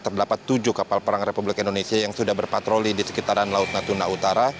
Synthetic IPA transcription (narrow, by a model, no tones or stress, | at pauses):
t̪ərdapat̪ːud͡ʒukapalpəɾaŋrepublɪkindonesiajaŋsudahbərpat̪ɾolidisə̥kit̪aɾanlaʊt̪̚nat̪unaut̪aɾa